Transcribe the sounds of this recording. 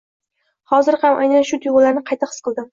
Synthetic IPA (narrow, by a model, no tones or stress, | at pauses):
hɒzɪɾhamʔa̰jnanʃʊt̪ʰʊjʊlaɾnɪqʰɑjt̪aχɨ̥sqʰɨlˠd̪ɪm